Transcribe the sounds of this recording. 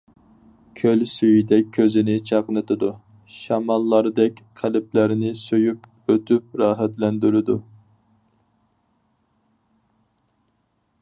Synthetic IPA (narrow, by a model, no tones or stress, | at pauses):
kʲʰølsyjid̪ɛk̚ʲʰːøzɪnɪt͡ʃʰɑqnɨt̪ʰɪd̪u | ʃɑmɑlˠːɑɾd̪ɛkʲqʰælɪplæɾɪnɪsøjyp | øt̪ʰyp̚ɾɑːɦæt̪lɛnd̪yɾɪd̪u